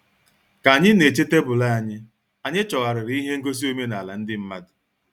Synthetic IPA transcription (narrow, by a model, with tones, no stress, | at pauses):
ka˨ɲɪ˦ne˨t͡ʃe˦te˦bʊ˨la˦a˨ɲɪ˦ | a˨ɲɪ˦t͡ʃɔ˨ɣa˨ɾɪ˨ɾi˨i˦ɦe˦ŋ̩˦ɡo˦s̬i˦o˦me˦na˨la˨n̩˦dɪ˦m̩˦ma˦dʊ˨